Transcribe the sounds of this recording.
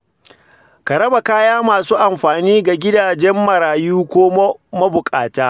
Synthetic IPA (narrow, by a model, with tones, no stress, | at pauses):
kɐ˨ɾɐ˦ba˨kaː˦jaː˦maː˨suː˦ʔa˨mɸaː˨niː˦ɡa˨ɡʲɪ˦daː˨d͡ʒɛ˦mːɐ˨ɾaː˨juː˦kʷoː˦mo˦mɐ˦bʊ˨kʼa̰ː˨taː˦